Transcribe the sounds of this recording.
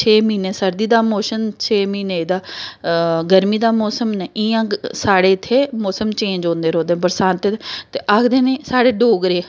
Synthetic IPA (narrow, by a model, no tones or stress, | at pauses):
t͡ʃʰeːmiːneːsəɾd̪iːd̪aːmoːʃənt͡ʃʰeːmiːneːd̪aː | ɡəɾmiːd̪aːmɔːsəmnɛiãːsaːɽeːɪt̪ʰːeːmɔːsəmt͡ʃẽːɲd͡ʒõːnd̪eːɾõːd̪eːbəɾsãːnt̪et̪eːʔaːkʰd̪eːnẽːsaːɽeːɖoːɡɾeː